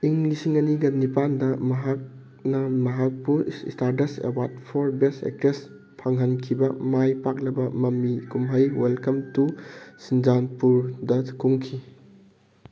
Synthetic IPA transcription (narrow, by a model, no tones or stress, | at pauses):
iŋlisiŋɐniɡɐnipandɐmɐɦak̚ | nɐmɐɦak̚puɾḭstaɾtɐsḛwaɾtpʰoɾbesḛk̚tɾes | pʰaŋɦɐnkʰibɐmajpak̚lɐbɐmɐmːikumɦɐjwelkɐmtusind͡ʒanpuɾdɐkuŋkʰi